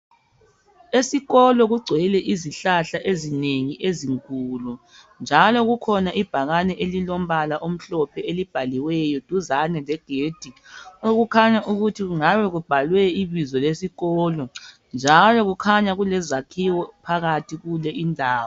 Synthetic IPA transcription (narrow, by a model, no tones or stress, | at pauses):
esiɣɔlɔɣuɡ͡ǀʱwɛlɛʔiziɬaɬaʔezineŋiʔeziŋkʼuːlu | nd͡ʒʱalɔɣukʰɔnaʔib̥ʱaɣanɛʔelilɔm̩βalaʔom̩ɬɔpʰɛelib̥ʱaliwɛjɔd̥ʱuzanɛlɛɡ̥ʱeːd̥ʱioɣukʰaɲaʔuɣutʰiɣuŋaβɛɣub̥ʱalwɛiβizɔlesiɣɔːlɔ | nd͡ʒʱalɔɣukʰaɲaɣulɛzakʰiwɔpʰaɣatʰiɣulɛʔindʱaːwɔ